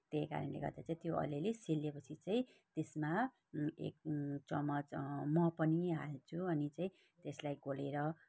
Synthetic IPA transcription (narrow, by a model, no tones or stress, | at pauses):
t̪ejka̰ɾʌnlḛɡʌ̰rd̪at͡saĩt̪joʔʌ̰leleselːepʌt͡sʰit͡saĩt̪esma | ḛk̚t͡sʌmʌt͡smʌpʌniɦat͡sʰuʌnit͡saĩ | t̪eslajɡoleɾʌ